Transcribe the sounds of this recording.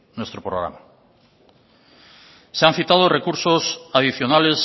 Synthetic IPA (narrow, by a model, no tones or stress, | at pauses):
nwest̪ɾopɾoɣɾa̰ma | sean̟θit̪að̞orekuɾsosaðiθjonales